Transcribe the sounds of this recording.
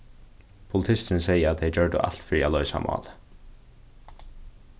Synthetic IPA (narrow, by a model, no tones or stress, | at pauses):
pʰʊlt̪ʰɪst̪ənəseɪəɾɑt̪̚d̪eɪd͡ʒœːɖə̰ʔɑ̰lt̪fɾiːɑlœʏsɑ̰mʔɑ̰ːlə